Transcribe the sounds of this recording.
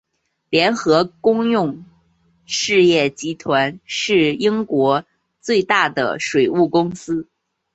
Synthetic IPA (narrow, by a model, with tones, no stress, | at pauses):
ljɛ˧˥nxɤ˧˥kʊ˥ŋjʊ˥˩ŋ | ʂɻ̩˥˧jɛ˥˩t͡ɕi˧˥t̪ʰwa˧˥nʂɻ̩˥˩i˥ŋkwɔ˧˥ | t͡swe˥˧ɪt̪a˥˩d̪ə̰˩ʂwe˨˩ɪu˥˩kʊ˥ŋsɹ̩˥